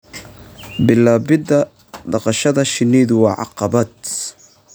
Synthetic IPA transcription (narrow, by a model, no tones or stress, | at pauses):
bɪlaːbɪd̪ɐ | d̪ɑqɑʃɐðɐʃɪnːiːðwɑːʕɑ̰qɑbɐd̪